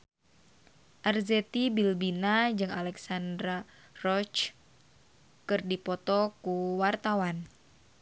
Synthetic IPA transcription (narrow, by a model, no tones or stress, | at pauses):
ʔarzɛt̪ibilbinad͡ʒɨŋalɛksandɾa | rɔt͡ʃ | kɨrdipɔt̪ɔkuwart̪awan